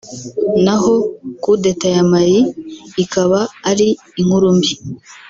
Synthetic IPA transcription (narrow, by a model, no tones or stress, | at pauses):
naɦo̞kudetajamajiːkaβaːɾiː | ŋ̥uɾumbi